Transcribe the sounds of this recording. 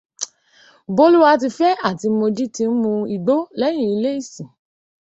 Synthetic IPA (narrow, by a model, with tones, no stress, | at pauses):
bo˦lu˦wa˧t̬i˧fɛ˦a˦˨ti˧mo˧d͡ʒi˦tĩ˧n̩˦mũ˧i˨ɡ͡bo˦lɛ˦j̃ĩ˦˨i˧le˦i˦˨sĩ˨